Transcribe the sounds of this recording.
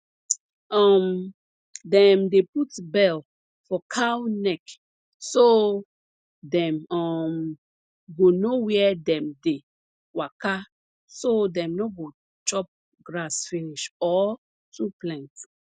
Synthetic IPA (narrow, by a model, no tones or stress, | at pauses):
ɔm | dɛ̃mdeputbɛl | fɔkʰawnɛk | so | dɛ̃mɔm | ɡonowɛdɛ̃mde | waka | sodɛ̃mnoɡo | t͡ʃɔp̚ | ɡɹasfiniʃɔ | tuplɛ̃nt